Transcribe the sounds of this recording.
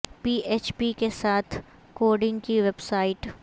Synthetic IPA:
piːʔeːt͡ʃpikesaːt̪ʰ | koːɾɖɪ̃ŋɡkiʋebsaːɪʈ

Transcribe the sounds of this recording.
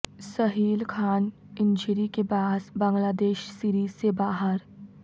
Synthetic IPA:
sɐɦiːlkʰaːn | ɪ̃ɲd͡ʒɾikebaːsbɐ̃ŋɡlaːd̪eːʃsiːɾiːzsebaːɦəɾ

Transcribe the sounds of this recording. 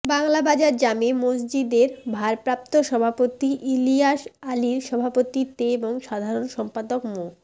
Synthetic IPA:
baŋlabad͡ʑaɾd͡ʑamemos̬d͡ʑid̪eɾbʱaɾpɾap̚t̪oʃɔbʱapot̪iʔiliaʃaliɾʃɔbʱapot̪it̪eeboŋʃad̪ʱaɾonʃɔmpad̪okmo

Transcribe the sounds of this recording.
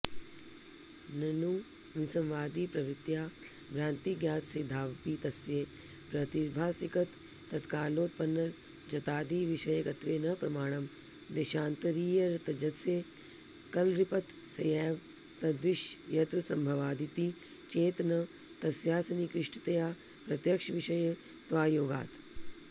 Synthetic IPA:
nɐnuː | ʋɪsɐmʋaːd̪iːpɾɐʋɾɪt̪jaː | bɾãːnt̪iːɡjaːt̪sed̪ʱaːʋpiːt̪ɐsjeː | pɾɐt̪iɾbʱaːsikɐt̪ː | ɐt̪kaːloːt̪̚pɐnːɐɾ | d͡ʒɐt̪aːd̪iːʋɪʃɐjəɡɐt̪ʋeːnɐpɾɐmaːɳ̃ɐm | d̪eːʃãːnt̪ɐɾiːjɐɾt̪ɐd͡ʒɐt̪sjeː | kɐlɾɪpɐt̪ | sɐjɛːʋ | t̪ɐd̪ʋɪʃjjɐt̪ʋɐsɐmbʱɐʋaːd̪it̪i | t͡ʃeːt̪nɐ | t̪ɐsjaːsɐnikɾɪʃʈɐt̪ɐjaː | pɾɐt̪jɐkʃɐʋɪʃɐje | t̪ʋaːjoːɡa̰ːt̪

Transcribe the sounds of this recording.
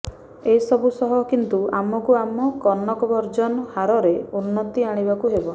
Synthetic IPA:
esɔbusɔɦɔkint̪uamɔkuamɔkɔnːɔkɔbɔɾd͡ʒɔnɔhaɾɔɾeunːɔt̪iaɽ̃ibakuɦebɔ

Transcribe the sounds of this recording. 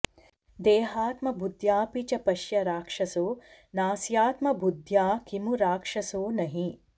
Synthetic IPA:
d̪eːɦaːt̪mɐbʱud̪ʱjaːpit͡ʃɐpɐʃjɐɾaːkʂɐsoː | naːsjaːt̪mɐbʱud̪ʱjaːkimuɾaːkʂɐsoːnɐɦi

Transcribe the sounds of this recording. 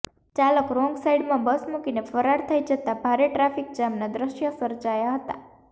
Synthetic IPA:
t͡ʃaləkɾɔ̃ŋɡsaiɖmãbəsmukinefəɾaɾt̪ʰəid͡ʒət̪abʱaɾeʈɾafik̚d͡ʒamnad̪ɾəʃjəsəɾd͡ʒajaɦət̪a̰

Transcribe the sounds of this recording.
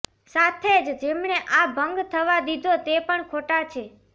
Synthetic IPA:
sat̪ʰed͡ʒd͡ʒemɳeʔabʱəŋɡt̪ʰəʋad̪id̪ʱot̪epəɳkʰoʈat͡ʃʰe

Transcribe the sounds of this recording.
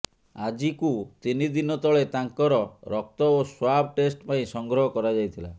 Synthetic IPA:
ad͡ʒikut̪inid̪inɔt̪ɔɭet̪aŋkɔɾɔɾɔk̚t̪ɔoswab̚ʱʈesʈpaĩsɔŋɡɾɔɦɔkɔɾad͡ʒajt̪ʰila

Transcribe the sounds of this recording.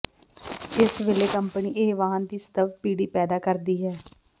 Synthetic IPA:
ɪsʋeːleːkəmpəniːʔeːʋaːənd̪iːst̪əʋpiːɽiːpɛːd̪aːkəɾd̪iːɦɛː

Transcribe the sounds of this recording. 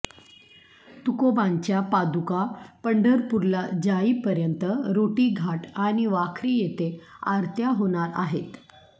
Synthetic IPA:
t̪ukobãɲt͡ɕjapad̪ukapəɳɖəɾpuɾlad͡ʑaiːpəɾjənt̪əɾoʈiːɡʱaʈaɽ̃iʋakʰɾiːjet̪ea̰ɾt̪jaɦoɽ̃aɾa̰ɦet̪

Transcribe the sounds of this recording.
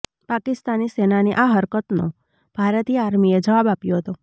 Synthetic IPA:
pakɪst̪anisenaneʔaɦəɾkət̪no̰ | b̥ʱaɾət̪iaɾmied͡ʒəʋabapjoɦət̪o

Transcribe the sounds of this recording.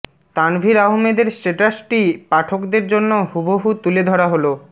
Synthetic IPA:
t̪anbʱiɾaɦmed̪eɾsʈeʈasʈipaʈʰokd̪eɾd͡ʑonːohuboɦut̪uled̪ʱɔɽaɦolo

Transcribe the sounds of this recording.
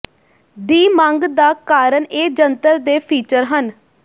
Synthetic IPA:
d̪iːmãŋɡd̪aːkaːɾəneːd͡ʒənt̪əɾd̪eːpʰiːt͡ʃəɾɦən

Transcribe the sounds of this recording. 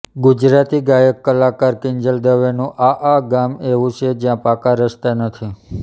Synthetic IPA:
ɡud͡ʒɾat̪iɡajəkːəlakaɾkɪnd͡ʒəld̪əʋenũʔaʔaɡameʋũt͡ʃʰed͡ʒjãpakãɾəst̪anət̪ʰi

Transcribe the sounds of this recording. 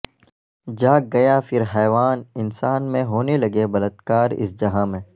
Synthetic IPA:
d͡ʒaːɡɐjafʰɪɾɦɛːʋaːnɪnsaːnmẽɦoːnelɐɡebɐlət̪kaːɾɪ̰sd͡ʒɐɦãmẽː

